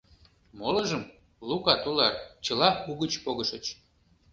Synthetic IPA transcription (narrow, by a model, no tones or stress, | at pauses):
moləʒəm | lukɑt̪ulɑrt͡ɕəlɑuɣət͡ɕpoɣəʃət͡ɕ